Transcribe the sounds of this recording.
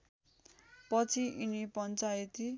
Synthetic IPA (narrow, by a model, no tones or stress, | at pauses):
pʌt͡sʰiʔinipʌnt͡sajet̪i